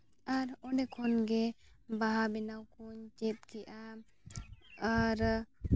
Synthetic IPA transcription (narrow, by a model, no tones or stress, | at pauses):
aɾɔnɖɛkʰɔnɡɛ | baɦabɛnawkɔɲt͡ʃɛt̪̚kɛjʔa | aɾ